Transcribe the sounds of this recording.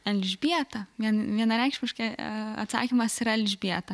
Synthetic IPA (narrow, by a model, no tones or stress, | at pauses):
ɛlʲʒʲbʲiɛt̪ɐʋʲiɛnʋʲiɛnɐɾʲɛˑɪkʃʲmʲɪʃkɐɪɐ̰t̪sɑ̰ːkʲɪmɐsiɾɐɛlʲʒʲbʲiɛt̪ɐ